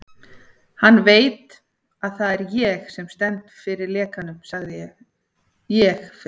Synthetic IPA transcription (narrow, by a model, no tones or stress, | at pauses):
hanːveːjt̪ | aðθaðɛɾjɛxsɛmst̪ɛnt̪fɪɾɪɾlɛːkanʏmsaɣðɪjɛɣ | jɛx